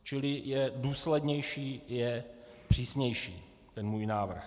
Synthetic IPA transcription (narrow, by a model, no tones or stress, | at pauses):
t͡ʃɪlɪjɛduːslɛdɲɛjʃiːjɛpr̝̥iːsɲɛjʃḭː | t̪ɛnmuːjnaːvr̩x